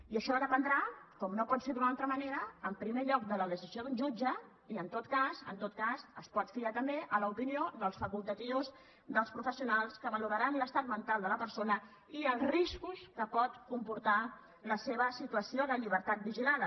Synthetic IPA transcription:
iəʃɔðəpənd̪ɾakɔmnopɔt̪seɾd̪unalˠt̪ɾəməneɾəːmpɾimeʎɔk̚d̪ələðəsizioðund͡ʒud͡ʒə | iənt̪ot̪kasə̰nt̪ot̪̚kasəspɔt̪fiat̪əmbeʔələupinioðəlˠsfəkulˠt̪ət̪iwz | d̪əlˠspɾufəsiunalˠskəβəluɾəɾanləst̪at̪mənt̪alˠd̪ələpəɾsonə | iəlˠzriskuskəpɔt̪kumpuɾt̪a | ləseβəsit̪uəsioðəʎiβ̞əɾt̪at̪̚biʒilað

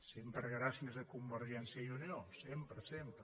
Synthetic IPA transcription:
sempɾəɣɾasiəzðəkumbəɾʒɛnsjəiuniosempɾəsempɾə

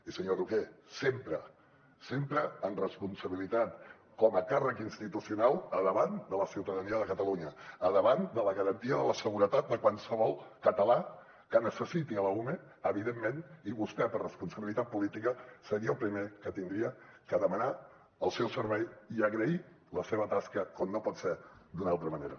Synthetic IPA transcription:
isəɲoɾukesempɾə | sempɾəənrəspunsəβilit̪at̪ | kɔməkarəkinst̪it̪usiunalˠəðəβand̪ələsiwt̪əðəniəðəkət̪əluɲəəðəβand̪ələɣəɾənt̪iəðələsəɣuɾət̪at̪̚d̪əkwansəβɔlˠkət̪əla | kənəsəsit̪iələume | əβiðemːeniβust̪ɛpərrəspunsəβilit̪at̪̚pulit̪ikəsəɾiəlˠpɾimekət̪ind̪ɾiəkəðəməna | əlˠsɛwsəɾβɛjiəɣɾəi | ləseβət̪askəkɔmnːopɔt̪sɛd̪unalˠt̪ɾəməneɾə

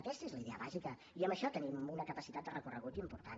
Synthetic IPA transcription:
əkɛst̪əezləiðɛəβazikə | iəmbəʃɔt̪ənimunəkəpəsit̪at̪d̪ərəkurəɣut̪impuɾt̪an

